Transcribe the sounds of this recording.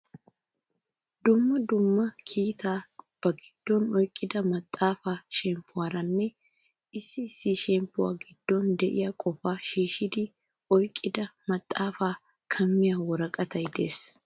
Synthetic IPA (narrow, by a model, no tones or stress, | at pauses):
d̪ʊmːɐd̪ʊmːɐkʰiːt̪aːb̥ɐɡɪd̪̥ːɔnɔjkʼːɪd̪ɐmɐt̪ʼːaːfaːʃɛmpʰːʊwaːɾɐnːɛ | ɪsːɪsːɪʃɛmpːʊwa̰ːɡɪd̪̥ːɔnd̪ɛʔɪ̰jakʼɔfaːʃiːʃɪd̪ɪ | ʔɔjkʼːɪd̪ɐmɐt̪ʼːaːfaː | kʰɐmːɪjaːwɔɾɐkʼɐt̪ɐjɪd̪eːs